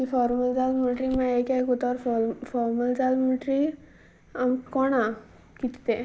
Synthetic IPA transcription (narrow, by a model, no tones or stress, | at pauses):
kifɔɾməld͡zalməʈɾimãekakut̪ɔɾfɔɾməld͡zalməʈɾi | amkɔɽ̃a | kit̪t̪e